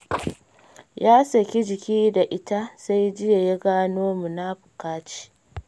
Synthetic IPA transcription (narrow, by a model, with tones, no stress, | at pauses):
jaː˦sɐ˨kʲi˦d͡ʒɪ˨kʲiː˦da˨ʔɪ˦ta˦sa˦jd͡ʒɪ˦ja˨ja˦ɡaː˦noː˦mu˨na˦ɸʊ̥˨kaː˦t͡ʃi̥˦